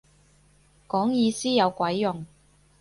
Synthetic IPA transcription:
kɔː˨˥ŋjiː˨˧siː˥jɐ˨˧wkʷɐ˨˥jːʊ˨˩ŋ

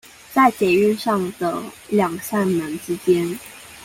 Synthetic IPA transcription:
t͡sa˥˩ɪt͡ɕjɛ˨˩y˥˧nʂɑ˥˩ŋd̪ə˩ljɑ˨˩ŋɕa˥˩nnə˧˥nʈ͡ʂɻ̩˥t͡ɕjɛ˥n

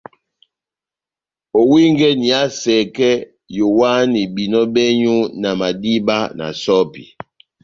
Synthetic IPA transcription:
o˨wi˦ŋɡɛ˦ni˨a˦sɛ˨kɛ˦ | jo˨wa˦ni˨bi˨nɔ˦bɛ˦ɲu˦na˨ma˨di˦ba˦na̰˨sɔ˦pḭ˨

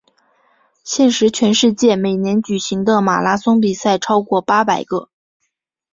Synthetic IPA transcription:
ɕjɛ˥˩nʂɻ̩˧˥t͡ɕʰɥɛ˧˥nʂɻ̩˥˧t͡ɕjɛ˥˩me˨˩ɪnjɛ˧˥nt͡ɕy˨˩ɕi˧˥ŋd̪ə˧ma̰˨˩la˥sʊ˥ŋp̬i˨˩sa˥˩ɪʈ͡ʂʰɑ˥ʊkwɔ˥˩pa˥pa˨˩ɪɡə˩

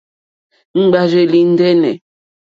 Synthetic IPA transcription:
ŋ͡m̩˦ɡ͡ba˦ʒe˦li˦n̩˦dɛ˦nɛ̰˨

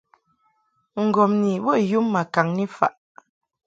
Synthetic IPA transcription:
ŋ̩˨ɡɔ˨mni˨bɔ˦˨ju˦mːa˨ka˨ŋni˦fa˨ʔ

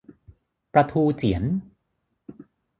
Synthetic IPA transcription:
pɾa˧t̪ʰuː˧t͡ɕi˩˦ən

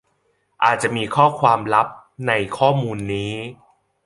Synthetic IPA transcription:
ʔa̰ː˨˩t̪̚t͡ɕa˨˩ʔmiː˧kʰɔː˥˩kʰwaː˧mɾa˦˥p̚na˧jkʰɔː˥˩muː˧nːiː˦˥

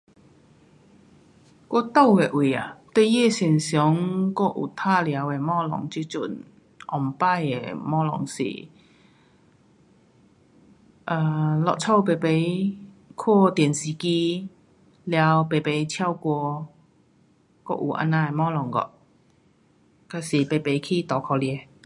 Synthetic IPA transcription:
kɔ˥t̪o˥˨we˨ʔwi˨˩a̰˨˩t̪we˥˦je˥˧˨sɛ˨˩nsjɔ˨˦ŋkɔ˥˧ʔṵ˨˩t̪ʰa˥˨lja˨˧˦we˨mɔ˦lɔ̰˨˩ŋt͡ɕi˧˦t͡ɕṵ˧˩n | ʔɔ˨˩mpa˥˧˨jḛ˨mɔ˥˦lɔ̰˨ŋsḭ˨˩ | ʔa˨˧˩lɔ̰˨t͡sʰɔ˥˩wpe˨˩pe˧˦j | kʰwɔ˥˧t̪jɛ˨˩nsi˨ki˧ | lja˧wpe˨˩pe˨˦jt͡ɕʰja˧wkwɔ˧ | kɔ̰˦˧ʔṵ˨ʔa̰˧nːã˧e˨˩mɔ˦˥lɔ˨˩ŋkɔ̰˧˨ | ka˧si˨pe˨pe˨˩jkʰi˦t̪ɔ˨˩kʰɔ˧ljɛ˧˩

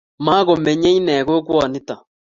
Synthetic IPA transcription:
ma˦ɣo˨mɛ˨ɲe˦ɲ˦nɛ˨ɡo˦kwa˨nɪ˦ta˨

